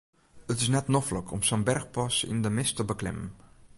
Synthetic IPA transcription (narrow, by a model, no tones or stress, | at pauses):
ətɪsnɛtnɔfləkʰɔmsənbɛrxpɑsɪ̰ndəmɪstəbəklɪ̰mən